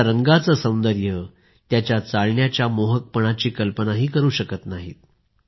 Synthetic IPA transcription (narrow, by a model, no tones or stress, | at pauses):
ɾəŋɡat͡səsə̃w̃nd̪əɾjə | t̪jat͡ɕjat͡saɭɳjat͡ɕjamoɦək̚pəɳ̃at͡ɕiːkəlpənaɦiːkəɾuːɕəkət̪naɦiːt̪̚